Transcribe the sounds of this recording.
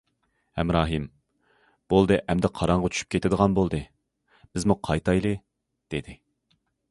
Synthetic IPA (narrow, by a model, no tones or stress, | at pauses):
ɛmɾɑːɦɨm | b̥olˠd̪ɨʔɛmd̪ɛqʰɑɾɑɴʁɑt͡ʃʰy̥ʃʰy̥p̚kʲet̪ɪd̪əʁɑnbolˠd̪ɨ | b̥ɪzmuqʰɑjt̪ɑjlˠɨ | d̪̥ed̪ɪ